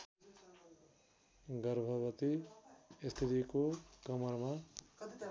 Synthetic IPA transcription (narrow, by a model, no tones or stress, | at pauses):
ɡʌɾbʱʌbʌt̪i | st̪ʰit̪ikokʌmʌɾma